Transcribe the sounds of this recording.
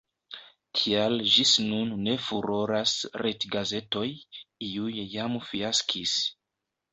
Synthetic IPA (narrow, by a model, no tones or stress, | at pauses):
kʰiald͡ʒisnunːe̞fuɾo̞ɾasɾetɡaze̞to̞jiujjamfiaskʰis